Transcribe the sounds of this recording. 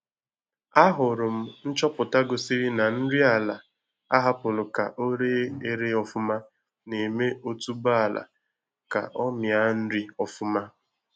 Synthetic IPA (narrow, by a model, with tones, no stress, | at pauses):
a˦ɦʊ˨ɾʊ˨m̩˦n̩˦t͡ʃɔ˦pʊ˨ta˦ɡo˨si˦ɾi˦na˨n̩˦ɾi˦a˨la˨ | a˦ɦa˦pʊ˨lʊ˨ka̰˨ʔo˦ɾe˦e˨ɾe˦ɔ˨fʊ˦ma˦ | ne˨me˦o˦tu˦ba˦a˨la̰˨ | ka̰˨ʔɔ˦mja˦n̩˦ɾi˦ɔ˨fʊ˦ma˦